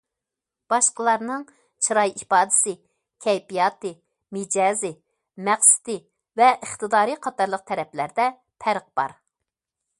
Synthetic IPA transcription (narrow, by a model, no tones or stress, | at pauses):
b̥ɑʃqəlˠɑɾnɨŋ | t͡ʃʰɨɾɑjipɑːd̪ɪsɪ | kʲʰɛjpijɑt̪ɨ | mɪd͡ʒɑːzɪ | mæχsɪ̥t̪ɪ | vɛʔəχt̪ɨd̪ɑːɾiqʰɑt̪ɑɾlˠəq̚t̪ʰɛɾɛplæɾd̪ɛ | pʰæɾq̚b̥ɑ̰ɾ